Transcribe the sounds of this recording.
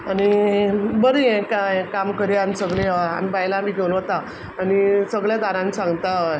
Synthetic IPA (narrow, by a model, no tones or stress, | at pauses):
añibəɾiekakamkəɾjanisəɡɭea̰mipaɦilamiːɡʱewulʋət̪aː | nisəɡɭjad̪aɾãnsãŋɡt̪a